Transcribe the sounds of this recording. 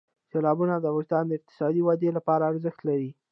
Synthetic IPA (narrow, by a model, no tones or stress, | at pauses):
selɑbunad̪əaɣʊʃd̪ɑnd̪əɪq̚t̪ɪ̥sɑd̪iwad̪elapɑɾaːɾzəxt̪laɾi